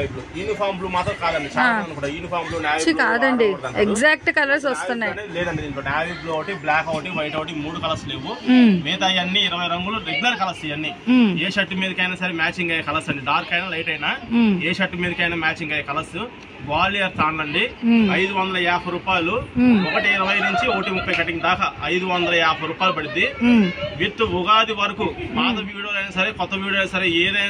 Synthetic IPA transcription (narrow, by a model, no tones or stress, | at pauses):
ɐjbluːiːnipʰaːɾmbluːmaːt̪ɾɐmkaːd̪ɐɳɖit͡ʃaːɐnukuːɽaiːnipʰaːɾmbluːnaːʋikaːd̪ɐɳɖiɐeɡzaːk̚ʈkɐlɐɾs̬ɐst̪unːaelɛːd̪ɐɳɖiinonaːʋiɡluɐʋʈiblaːkɐʋɐʈiʋɐjʈɐʋɐʈ̬imuːɽukɐlɐsle̞ːʋumeːt̪ɐjɐnːiːɾɐʋɐjɾɐŋɡuluɾeɡulɐɾkɐlɐsijɐnːieːʃɐʈːumeːɾikɐjnaːsɐɾemaːt͡ʃiŋɡɐjkɐlɐsɐɳɖiɖaːɾkɐjnalɐjʈɐjinaːeːʃɐʈːumeːɾikɐjnɐmaːt͡ʃiŋɡɐjkɐlɐsu | ɡaːlːijɐɾt̪aːnlɐɳɖiɐjd̪uʋɐnd̪ɐlɐjaːpʰɐɾuːpaːjɐluɔkɐʈiːɾɐʋɐjnuɲt͡ʃioːʈimupʰːɐjkɐʈiŋd̪aːkɐɐjd̪uʋɐnd̪ɐlɐjaːpʰɐɾuːpaːjlupɐɽind̪iʋiʈ̪ːuʋuɡaːd̪iʋɐɾɐkumaːd̪ɐʋiːɽoːlɐjnɐːsɐɾe̞ːkɔt̪ːɐʋiːɽoːlɐsɐɾeːd̪ɐj